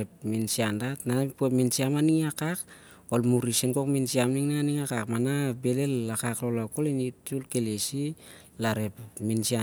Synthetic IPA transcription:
ep̚minsiandatnapueminsiamaniŋakak̚ | olmuɾiseŋko̞kminsiamniŋnaniŋakakmanabe̞le̞lːakaklolako̞linit͡ʃulke̞lesi | laɾe̞pminsia

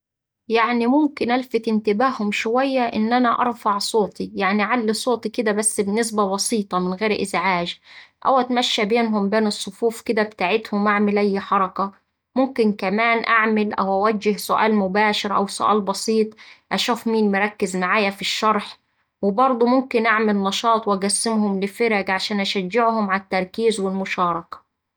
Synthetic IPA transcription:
jaʕnimʊmkɪnʔalfɪt̪ɪnt̪ɪbaːhʊmʃʊwæjːaʔɪ̰nːʔænæʔɑ̰ɾˤfɑʕsˤoːt̪ijaʕniʕalːisˤoːt̪ˤikɪd̪æbæsːbɪnːɪs̬babɑsˤiːt̪ˤɑmɪnɣeːɾʔɪ̰zʕaːʒʔæ̰wʔæt̪mæʃːæbeːnɦʊmbeːnɨsˤːʊfuːfkɪd̪æbɪt̪aːʕɪt̪hʊmːaʕmɪlæjːħɑɾˤɑka | mʊmkɪnkæmæːnʔaʕmɪlʔæ̰wʔæwæd͡ʒːɪhsʊʔa̰ːlmʊbaːʃɪɾʔæ̰wsʊ̰ʔa̰ːlbɑsˤiːt̪ˤʔæʃuːfmiːnmɪɾˤɑkːɪzmaʕaːjafiʃːɑɾˤħ | wɪbɑɾˤd̪ˤumʊmkɪnʔaʕmɪlnɑʃɑːt̪ˤwʔæɡæsːɪmhʊmlɪfɪɾæɡʕaʃæːnʔæʃæd͡ʒːɪʕhʊmʕat̪ːɑɾˤkiːzwɪlmʊʃɑːɾˤɑkḁ

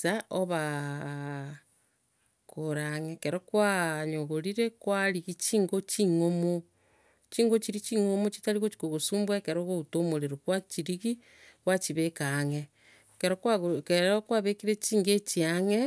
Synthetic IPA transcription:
aʔoβa | koɾaŋekeɾokwaɲoɣoɾiɾekwaɾiɣit͡ʃiːŋɡot͡ʃiŋomo | t͡ʃiːŋɡot͡ʃiɾit͡ʃiŋomot͡ʃi̥taɾiɣot͡ʃi̥koɣosuːmbwekeɾoɣoutomoɾeɾokwat͡ʃiɾiɣi | kwat͡ʃiβekaŋe | keɾokaɣkeɾokwaβekiɾet͡ʃiːŋɡet͡ʃiaŋe

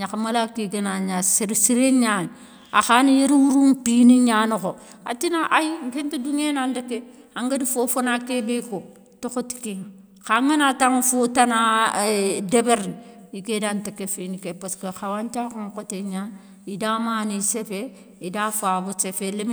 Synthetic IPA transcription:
ɲakamalakiɡenaɲasɾsiɾeɲan | a̰xanijeɾwuɾumpiniɲaːnoko | a̰tinaʔajiŋkenteduŋenandakːe | aŋɡadifofonakebeko | tokoti̥keŋ | kaŋanataŋfotana | debeɾiikedantekefinikepaskexawant͡ʃakoŋkoteɲan | idamaːnisefe | idafabusefelem

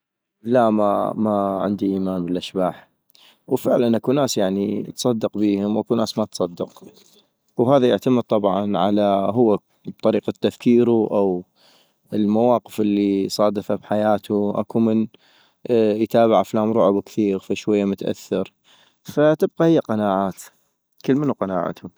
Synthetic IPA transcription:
lama̰maʕɪ̰nd̪iʔiːmaːnbəlʔaʃbaːħ | wfɪʕlanʔakunaːsjaʕnit̪sˤɑd̪ːɨqbiːhʊmwʔakunaːsmat̪sˤɑd̪ːɪq | wɦaːðajɪʕt̪aməd̪̚t̪ˤɑbʕɑnʕa̰laɦʊwːa | b̚t̪ˤɑɾiːqat̪ːafkiːɾuʔaw | əlmawɑːqəfɪlːisˤɑːd̪ɪfabħajaːt̪ʰuʔa̰kumən | jt̪aːbɪʕaflaːmɾˤʊʕʊbkθiːɣfaʃwajːamʊt̪ʔa̰θːɪɾ | fat̪ɪb̚qahɪjːaqɑnaːʕaːt̪ | kəlmənuqɑna̰ːʕa̰t̪hʊm

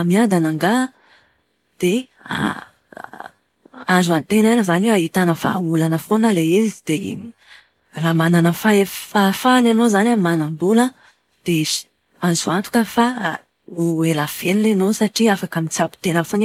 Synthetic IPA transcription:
miad̪anaŋɡa | d̪̥e | a̰ | azuant̪enanəzaneait̪anəfa̰ulanəfonəleizid̪̥e | ramananəfaefafananozanamanambulə | d̪̥eizi̥ | azuant̪u̥kəfa | uelav̥elilenosaʈ͡ʂiafakamit͡sapi̥t̪enəfon

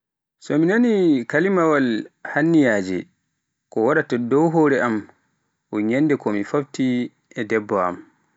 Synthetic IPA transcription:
sɔminanikalimawalhanːijad͡ʒɛ̰ | kɔwaɾatɔdɔwɦoɾɛam | ʔɔɲɛndɛkɔmifafti | ɛdɛbːɔa̰m

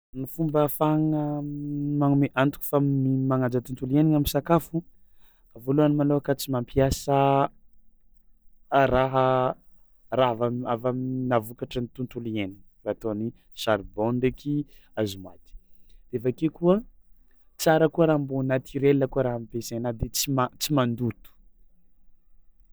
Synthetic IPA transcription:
nifumbəfaŋə | maŋumeʔant̪uku̥famimaŋad͡zat̪unt̪ulieniŋaminsakafu | avoluanimaloakat͡simampiasə | raɦə | raavamavaminavukaʈ͡ʂənit̪unt̪ulieniŋ | raat̪oni | saɾbonɖ͡ʐeki | azumwat̪i̥d̪̥eafakekuə | t͡saɾəkuəɾaːmbonat̪ʰiɾelːəkuəɾaɦamipesenad̪et͡simat͡simand̪ut̪u̥

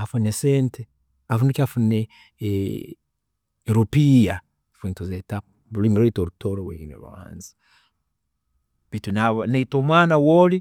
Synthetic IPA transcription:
afunesente | afunikafune | ɾupija | funtuzeta | limiɾetoɾutoɾowḛinḛɾṵa̰nza | bitunaβaneitomwanawoli

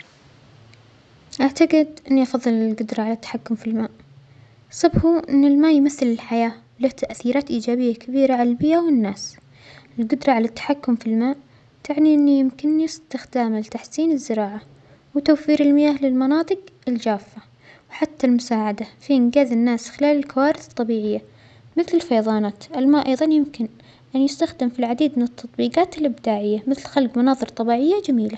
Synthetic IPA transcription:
ʔaʕt̪aɡɪd̪ʔɪnːiʔɑfɑðˤːɨlɪlɡʊd̪ɾˤɑʕalat̪ːḁħakːʊmfilmaːʔ | sˤɑbħuʔɪnːɪlmaːjmaθːɪlɪlħajaː | laht̪ʰaʔθiːɾaːt̪ʔiːd͡ʒaːbɪjːakabiːɾaʕallbɪjːawɪnːaːs | ɪlɡʊd̪ɾˤɑʕalat̪ːḁħakːʊmfilmaːʔ | t̪aʕniʔɪnːijɪmkɪnːɪst̪ɪxd̪aːmalt̪aħsiːnɪzːɪɾɑːʕa | wt̪awfiːɾɪlmɪjaːhlɪlmɑnɑːt̪ˤɨqɪld͡ʒaːfːa | wħat̪ːalmʊsaːʕad̪afiʔɪnɡaːzɪnːaːsxɪlaːlɪlkawaːɾɪθɨ̥t̪ˤːɑbiːʕɪjːa | mɪθlɪlfɑjɑðˤɑːnaːt̪ʔɪlmaːʔɑjðˤɑnjɪmkɪn | ʔanjɪst̪axd̪ɪmfilʕad̪iːd̪mɪnɨt̪ʰːɑt̪ˤbiːqɑːt̪ɪlʔɪbd̪aːʕɪjːamɪθlxalɡmɑnɑːðˤɨɾt̪ˤɑbiːʕɪjːad͡ʒamiːla

